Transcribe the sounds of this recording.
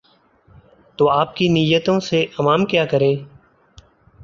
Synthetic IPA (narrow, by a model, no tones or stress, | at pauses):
t̪oːaːp̚kinɪjət̪õseʔəmaːmkjaːkəɾẽː